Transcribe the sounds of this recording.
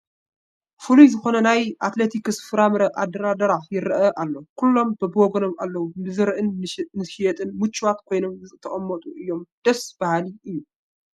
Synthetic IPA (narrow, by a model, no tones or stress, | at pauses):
fɨlujzɨxo̞nɐnajʔat̪let̪ʰikɨsfɨɾamɾɐʔad̪ɐɾad̪ɐɾaħjɪɾʔɐʔalːokʰulːo̞mbɨbɔɡɐnomalːɐwuɨzɨɾʔɨnnɨʃijɛt̪ʼɨnmɨt͡ʃʰʼːuwat̪kʰo̞jno̞mzɨt̪ʰɐχʼɐmːɐt̪ʼuʔɨjːo̞md̪̥ɐsb̥ahaliʔɨjːu